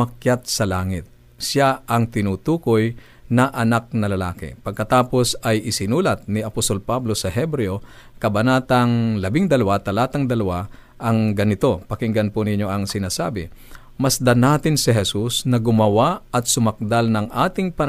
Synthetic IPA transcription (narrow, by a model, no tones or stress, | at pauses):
ɐkjat̪̚sɐlaːŋɪt̪̚ | saɐŋt̪ɪnuːt̪uːkoj | nɐʔɐnak̚nɐlɐlaːkɪ̰pɐɡ̚kɐt̪aːpo̞sɐjʔɪsɪnuːlɐt̪̚nɪɐpost̪o̞lpablo̞sɐɦɛbɾɛokɐbɐnaːt̪ɐŋlɐbɪŋd̪ɐlɐwat̪ɐlaːt̪ɐŋd̪ɐlɐwa | ʔɐŋɡɐnɪt̪o̞pɐkɪŋɡɐnpʊnɪɲːo̞ʔɐŋsɪnaːsaːbɪ | mɐsd̪ɐnaːt̪ɪnsɪɦɛsusnɐɡʊmɐwaɐt̪̚sʊmɐk̚d̪alnɐŋʔaːt̪ɪŋpɐn